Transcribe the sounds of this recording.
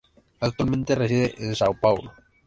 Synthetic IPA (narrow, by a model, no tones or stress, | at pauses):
ak̚t̪walmẽnt̪eresiðeʔeðsawpawlʊ